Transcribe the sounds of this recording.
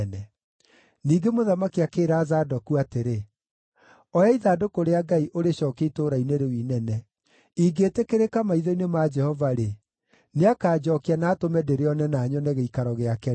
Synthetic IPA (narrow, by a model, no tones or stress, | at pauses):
nɛ | niːɡemoðamakiakeːɾaːzaːdɔkuateɾe | ɔjaiðadokoɾeaɡaiʔoɾeɕɔːkeitoːɾaineɾewinɛnɛ | iɡetekeɾekamaiðɔinemad͡ʒɛhɔvaɾe | neakaːd͡ʒɔkeanaːtomɛdeɾeɔnɛnaɲɔnɛɣeikaɾɔɣeakɛ